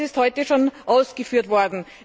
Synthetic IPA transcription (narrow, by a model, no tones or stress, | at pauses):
ɪsthɔʏtəʃoːnʔaʊsɡ̥əfyːɐtvɔɐdn̩